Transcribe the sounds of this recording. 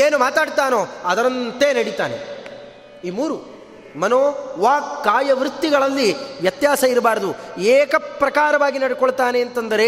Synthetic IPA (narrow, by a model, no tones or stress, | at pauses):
eːnumaːt̪aːɖt̪aːnoːɐd̪ɐɾɐnt̪eːnɐɽit̪a̰ːnḛ | iːmuːɾu | mɐnoːʋaːkːaːjɐʋɾut̪ːiɡɐɭɐlːiʋjɐt̪jaːsɐiɾɐbaːɾɐd̪ueːkɐpɾɐkaːɾɐʋaːɡinɐɽikɔɭt̪aːne̞ːnt̪ɐnd̪ɐɾe̞